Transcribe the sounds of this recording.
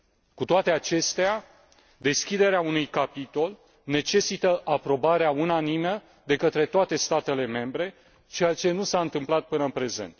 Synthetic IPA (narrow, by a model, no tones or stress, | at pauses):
kut̪oat̪e̞at͡ʃe̞st̪ea | d̪e̞skʲid̪e̞ɾeaunujkapit̪o̞l | ne̞t͡ʃe̞sit̪əʔapɾo̞baɾeaunanimə | d̪e̞kət̪ɾe̞t̪oat̪e̞st̪at̪e̞le̞me̞mbɾe̞ | t͡ʃejat͡ʃe̞nusaɨnt̪ɨmplat̪̚pɨnəɨnpɾe̞ze̞̰nt̪